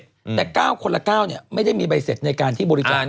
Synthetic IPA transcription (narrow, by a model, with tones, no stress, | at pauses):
lɛː˨˩kaː˥˩wkʰo˧la˧˩kaː˥˩wni˦˩ma˥˩jda˥˩jmiː˧ba˧jse˨˩t̪̚na˧jkaː˧nt̪ʰiː˥˩bɔː˧ɾi˦˧sa˨˧˩